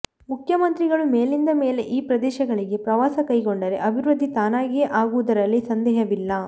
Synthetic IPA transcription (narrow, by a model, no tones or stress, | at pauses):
mukʰjɐmɐnt̪ɾiɡɐɭumeːlind̪ɐme̞ːle̞ʔiːpɾɐd̪ɛːʃɐɡɐɭiɡe̞pɾɐʋaːsɐkɐjɡoɳɖɐɾe̞̰ʔɐbʱiɾɐd̪ʱːit̪aːnaːɡijeʔaːɡuʋud̪ɐɾɐlːisɐnd̪ɛːɦɐʋilːɐ